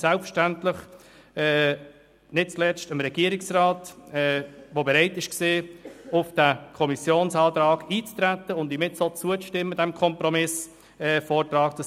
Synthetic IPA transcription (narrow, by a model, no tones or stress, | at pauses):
sælpfəʃtæntlɪχ | nɪt̚t͡slɛt͡stəmɾɛɡ̥iəɾɪksraːtɛvobɛɾɛɪtɪʃkseːʊfd̥ækʰɔmisjoːnsɑːt̪ɾɑːɡiːt͡st̪ɾæt̪ːəʊndimɪtsot͡suət͡sʃtɪmːədɛmkʰɔmpɾɔmɪs | fɔːrtrɑːktə